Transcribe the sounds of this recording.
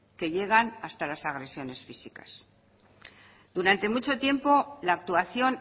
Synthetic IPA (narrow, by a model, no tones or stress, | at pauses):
ke̞ʎe̞ɣ̞anast̪alasaɣ̞ɾe̞sjo̞ne̞sfisika̰s | d̪̥uɾant̪e̞mut͡ʃo̞t̪je̞mpo̞laːk̚t̪uaθjo̞n